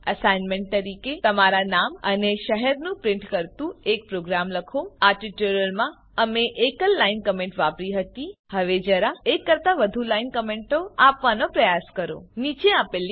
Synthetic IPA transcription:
əsajnmẽɳʈ̚t̪əɾiket̪əmaɾanaməneʃəɦɛɾnũpɾɪɳʈkəɾt̪ũek̚pɾoɡɾamləkʰoaɾʈiʈuɾəɾmã | əmeʔekəlːainkəmẽɳʈʋapɾiɦət̪ihəʋed͡ʒəɾaekːəɾt̪aʋəd̪ʱulainkəmeɳʈoapʋanopɾəjaskəɾo̰nit͡ʃeapeli

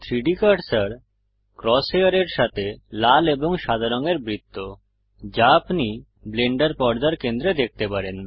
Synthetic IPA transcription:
t̪ʰɾiɖikaʈsaɾ | kɾɔseaɾeɾʃat̪ʰelaleboŋʃad̪ʱaɾoŋeɾbɾit̪ːo | d͡ʑaːpni | bleɳɖaɾpɔɾd̪aɾkend̪ɾed̪ek̚t̪epaɾen

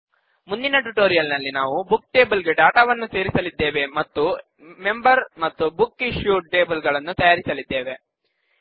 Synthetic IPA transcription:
mund̪inɐʈuʈoːɾijɐlnɐlːinaːʋubuk̚ʈe̞ːbɐlɡe̞ɖaːʈaːʋɐnːuse̞ːɾisɐlid̪ːe̞ːʋe̞mɐt̪ːu | me̞mbɐɾmɐt̪ːubukːiʃjuːʈe̞ːbɐlɡɐɭɐnːut̪ɐjaːɾisɐlid̪ːe̞ːʋe̞

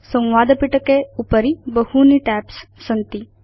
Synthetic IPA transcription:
sɐ̃w̃ʋaːd̪ɐpiʈɐkeupɐɾibɐhuniʈæːpsːɐnt̪i

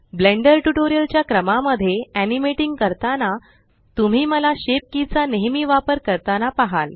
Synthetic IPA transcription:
bleɳɖəɾʈuʈoɾijəlt͡ɕjakɾəmaməd̪ʱːjeænimeʈiŋɡkəɾt̪ana | t̪um̤iːməlaɕep̚kit͡saneɦmiːʋapəɾkəɾt̪anapaɦal

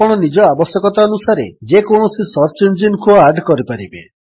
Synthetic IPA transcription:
ɔɽ̃ɔnid͡ʒɔabɔsjɔkɔt̪aɔnusaɾḛd͡ʒekoɳ̃ɔsisɔɾt͡ʃend͡ʒinkʰuaɾɖkɔɾipaɾibḛ

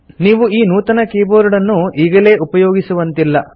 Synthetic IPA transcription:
niːʋuiːnuːt̪ɐnɐkeːboːɾuɽɐnːuiːɡɐle̞ːʔupɐjoːɡisuʋɐnt̪ilːɐ

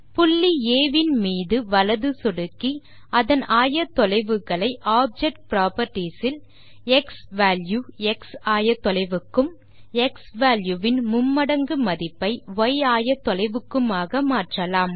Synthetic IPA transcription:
pʊɭːieːʋɪnmiːðɯʋɐlɐðɯsɔɽɯkːi | ɐðɐnaːjɐt̪ːɔlɐɪʋɯɣɐɭɐɪʔaːp̚d͡ʒɛk̚ʈ̚pɾaːpɐɾʈːisɪl | ɛksʋaːljuɛksaːjɐt̪ːɔlɐɪʋɯkːɯm | ɛksʋaːljuʋɪnmʊmːɐɽɐŋɡɯmɐðɪpːɐɪʋɔɪaːjɐt̪ːɔlɐɪʋɯkːɯmaːɣɐmaːʈrɐlaːm

